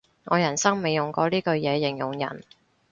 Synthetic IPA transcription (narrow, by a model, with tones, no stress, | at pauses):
ŋɔː˨˧jɐ˨˩nsɐ˥ŋme˨˧jjʊ˨ŋkɔː˧liː˥kɵ˧ɥjɛː˨˧jɪ˨˩ŋjʊ˨˩ŋjɐ̰˨˩n